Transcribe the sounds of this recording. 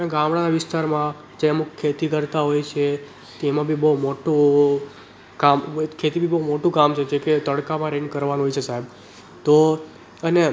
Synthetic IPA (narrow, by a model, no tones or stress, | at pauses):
ãɡamɽanaʋɪst̪aɾmã | d͡ʒeəmukʰːet̪ikəɾt̪aɦojt͡ʃʰe | t̪emãbʱibəumoʈũ | kamkʰːet̪ibʱibəumoʈũkamt͡ʃʰed͡ʒeket̪əɽkamãɾenkəɾʋanũɦojt͡ʃʰesaɦeb | t̪o | əne